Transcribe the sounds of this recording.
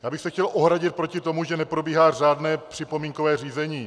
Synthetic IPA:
jaːbɪxsɛxcɛlʔoɦɾaɟɪt̪̚pɾo̞cɪt̪o̞muʒɛnɛpɾo̞biːɦaːr̝aːd̪nɛːpr̥ɪpo̞miːŋkovɛːriːzɛɲiː

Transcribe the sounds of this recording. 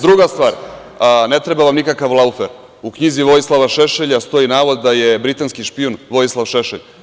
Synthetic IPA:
d̪ɾuɡast̪vaːɾ | ne̞t̪ɾe̞baʋamnikakaʋlˠaufeɾ | ukɲiziʋo̞jislˠaʋaʃeʃeʎast̪o̞inaːʋod̪ːaje̞bɾit̪anskiʃpionʋo̞jislˠaʋʃeʃḛʎ

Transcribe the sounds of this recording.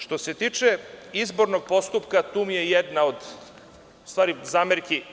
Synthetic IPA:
ʃt̪o̞se̞t̪iːt͡ʃeizbo̞ɾno̞ɡ̚po̞st̪upkat̪uːmijejed̪naod̪ | ust̪ʋaːɾizaːmeɾki

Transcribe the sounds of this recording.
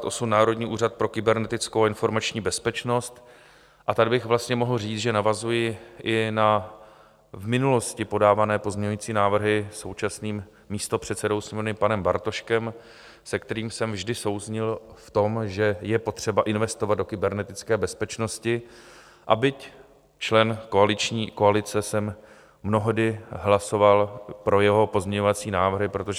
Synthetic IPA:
t̪ʔo̞sumnaːɾo̞dɲiːʔuːrat̪̚pɾo̞kɪbɛɾnɛt̪ɪt͡skowaɪnfo̞ɾmat͡ʃɲiːbɛspɛt͡ʃno̞st̪ | ʔat̪adbɪɣvlast̪ɲɛmo̞ɦl̩riːt͡sʒɛnavazujɪʔɪna | vmɪnulo̞scɪpo̞daːvanɛːpo̞zɲɛɲujiːt͡siːnaːvr̩ɦɪso̞wt͡ʃasniːmː | iːst̪o̞pr̝̥ɛt̪sɛdo̞wsmunɪpanɛmba̰ɾt̪o̞ʃkɛm | sɛkt̪ɛɾiːmsɛmvʒdɪso̞wzɲɪlft̪o̞mʒɛjɛpo̞t̪r̝̥ɛbaʔɪnvɛst̪o̞vad̪̚dokɪbɛɾnɛt̪ɪt͡skɛːbɛspɛt͡ʃno̞scɪ | ʔa̰bɪc | t͡ʃlɛnko̞alɪt͡ʃɲiːko̞alɪt͡sɛsɛmː | no̞ɦodɪɦlaso̞valpɾo̞jɛɦo̞po̞zɲɛɲo̞vat͡siːnaːvr̩ɦɪpɾo̞t̪oʒ

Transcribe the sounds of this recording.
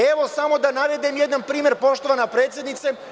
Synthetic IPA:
eʋo̞samo̞d̪anaɾed̪imjed̪nanpɾiːmeɾpo̞ʃt̪o̞ʋanapɾe̞ːt̪sje̞d̪nit̪se

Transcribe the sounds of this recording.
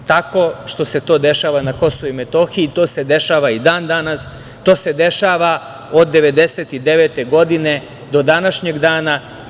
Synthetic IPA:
t̪ako̞ʃt̪o̞se̞t̪o̞ːd̪e̞ʃaːʋanako̞soʋuimet̪o̞ːxit̪o̞ːse̞d̪e̞ʃaːʋaid̪aːnd̪anas | t̪o̞ːse̞d̪e̞ʃaːʋa | o̞d̪ːe̞ʋe̞d̪e̞seːt̪id̪eʋe̞ːt̪eɡo̞d̪ine̞ | d̪o̞d̪anaʃɲe̞ɡd̪aːna

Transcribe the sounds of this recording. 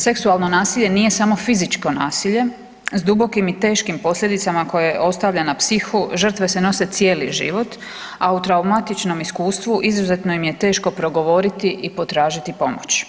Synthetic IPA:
se̞ksualˠno̞naːsiʎe̞nije̞samo̞fizit͡ʃko̞naːsiʎe̞ | zd̪ubo̞kimit̪e̞ːʃkimpo̞slʎe̞d̪it̪samako̞je̞ʔo̞st̪aʋʎanapsixuʒər̩t̪ʋe̞se̞no̞se̞t̪sje̞ːliʒḭʋo̞t̪ | aut̪ɾaumat̪it͡ʃno̞miskuːst̪ʋuʔizuze̞t̪nojimje̞t̪e̞ːʃko̞pɾo̞ɡo̞ʋo̞ɾit̪iʔipo̞t̪ɾaːʒit̪ipo̞mo̰t͡ɕ

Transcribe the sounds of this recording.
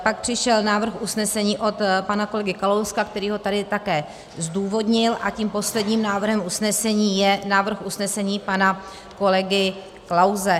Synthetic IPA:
pak̚pr̥ɪʃɛlnaːvr̩xʔusnɛsɛɲiːʔo̞t̪panako̞lɛɡɪkalowskakt̪ɛɾiːɦo̞t̪adɪt̪akɛː | zduːvo̞dɲɪlʔaciːmpo̞slɛdɲiːmnaːvr̩ɦɛmʔusnɛsɛɲiːjɛnaːvr̩xʔusnɛsɛɲiːpana | ko̞lɛɡɪ | klawzɛ

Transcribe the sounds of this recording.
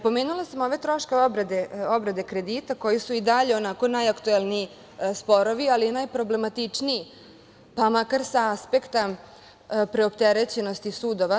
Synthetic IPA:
po̞meːnulasamo̞ʋet̪ɾo̞ʃkeo̞bɾed̪eo̞bɾed̪e̞kɾe̞d̪it̪ako̞jisuid̪aʎeo̞nako̞najakt̪uelˠnii | spo̞ɾo̞ʋialinajpɾo̞ble̞mat̪it͡ʂnii | pamakaɾsaaspekt̪a | pɾe̞opt̪eɾet͡ɕe̞no̞st̪isuːd̪o̞ʋa

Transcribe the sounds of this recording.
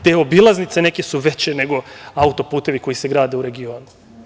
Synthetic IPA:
t̪e̞ːo̞bilˠaznit̪se̞ne̞kesuʋe̞t͡ɕene̞ɡo̞aut̪o̞puːt̪e̞ʋiko̞jise̞ɡɾaːd̪euɾe̞ɡio̞ːnu

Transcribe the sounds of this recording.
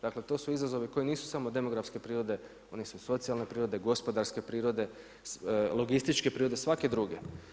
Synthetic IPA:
d̪akle̞t̪o̞ːsuizazo̞ʋiko̞jiniːsu̥samod̪e̞mo̞ɡɾafske̞pɾiːɾo̞d̪e̞ | o̞nesuso̞t̪sijalˠne̞pɾiːɾo̞d̪e̞ɡo̞spo̞d̪aɾske̞pɾiːɾo̞d̪e̞ | loɡist̪it͡ʃke̞pɾiːɾo̞d̪esʋake̞d̪ɾuɡe̞

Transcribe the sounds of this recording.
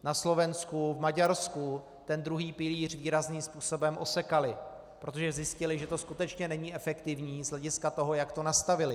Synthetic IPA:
naslo̞vɛnskuvmaɟaɾsku | t̪ɛnd̪ɾuɦiːpɪliːr̝viːɾazniːmspuːso̞bɛmʔosɛkalɪ | pɾo̞t̪o̞ʒɛzjɪscɪlɪʒɛt̪o̞skut̪ɛt͡ʃɲɛnɛɲiːʔɛfɛkt̪ɪvɲiːzlɛɟɪskat̪o̞ɦo̞jakt̪o̞nast̪avɪlɪ

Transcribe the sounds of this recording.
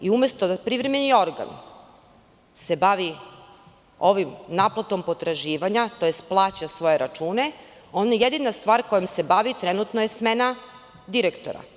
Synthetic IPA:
iumest̪od̪apɾivɾemenio̞ɾɡa̰n | se̞baʋi | o̞ʋimnaplˠat̪o̞mpo̞t̪ɾaʒiːʋaɲat̪o̞jest̪plˠaːt͡ɕasʋo̞je̞ɾat͡ʃuːne̞ | o̞nejed̪inast̪ʋaːɾko̞jemse̞baʋit̪ɾenut̪nojesmena | d̪iɾekt̪o̞̰ɾa̰

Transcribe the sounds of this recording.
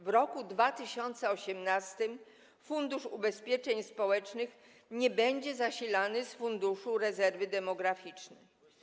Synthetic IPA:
vɾɔkud̪vat̪ɘɕɔnt̪sɛɔɕɛmnast̪ɘm | fund̪uʂubɛspʲjɛt͡ʂɛɲspɔwɛt͡ʂnɘx | ɲɛbɛɲd͡ʑɛzaɕilanɘsfund̪uʂuɾɛzɛɾvɘd̪ɛmɔɡɾafʲit͡ʂnɛ

